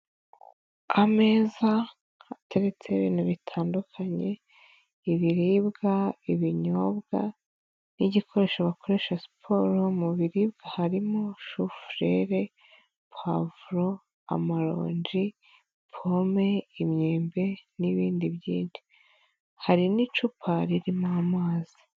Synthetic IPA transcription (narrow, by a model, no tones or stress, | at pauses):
ame̞ːza | atʰe̞ɾe̞t͡se̞βḭːnuβitʰaːndukʰaɲe̞ | iβiɾibɡaiβiɲobɡa̰ | niɟikʰo̞ɾe̞ʃaβako̞ɾe̞ʃasi̥pʰo̞ːɾomuβiɾibɡahaɾimoʃufɾe̞ɾe | pʰavuɾo̞ | a̰maɾo̰ːɲd͡ʒi | pʰomeimɲeːmbe̞niβiːndiβjḭːndi̥ | haɾinit͡ʃupʰaɾiɾimamaːzi̥